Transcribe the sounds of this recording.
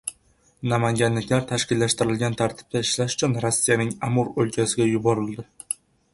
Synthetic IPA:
namaŋɡʲanlɪkʲlaɾt̪ʰaʃkʲɪlːaʃt̪ɪɾɪlɡʲant̪ʰaɾt̪ʰɪ̥p̚d̪aɪʃlaʃʊ̥t͡ʃʰʊnɾosːijanɪŋamʊɾolkʲʰasɪɡʲajʊbɒɾɪld̪ɪ

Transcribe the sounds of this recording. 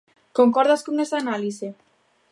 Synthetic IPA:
koŋkɔɾð̞askoŋesaːnalise

